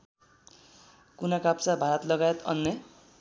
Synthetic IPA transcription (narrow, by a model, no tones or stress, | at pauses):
kunʌkapt͡sabʱaɾʌt̪lʌɡajet̪ʌ̰nːe